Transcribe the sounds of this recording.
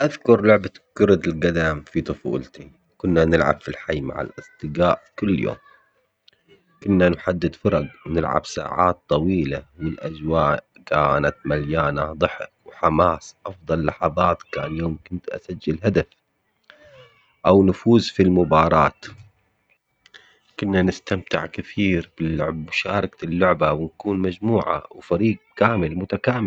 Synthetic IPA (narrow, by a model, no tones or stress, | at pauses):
ʔaðkʊɾˤlʊʕbakʊɾʊd̪ɪlɡad̪aːmfit̪ˤʊfṵːlt̪i | kʊnːanɪlʕa̰b̥filħajːma̰ʕa̰lʔɪst̪ɪɡaːʔkʊlːjo̰ːm | kʊnːanħad̪ːɪd̪fɑɾˤɑɡnɪlʕa̰bsa̰ːʕa̰ːt̪ˤːɑwiːlawɪlʔa̰d͡ʒwaːʔ | kaːnat̪maljaːnad̪ˤɨħɪ̰k̚wħamaːsʔɑfd̪ˤɑlːɑħɑðˤɑːt̪kaːnjoːmkʊnt̪ʔa̰sad͡ʒːɪlɦad̪af | ʔawnʊfuːzfilmʊbɑːɾˤɑ̰ːt̪ | kʊnːanɪst̪amt̪ɪʕkɪθiːɾb̥ɪlːʊʕbmʊʃaːɾˤɑklːʊʕbawɪnkuːnmad͡ʒmuːʕa̰wfaɾiːɡ̚kaːmɪlmʊt̪akaːmɪ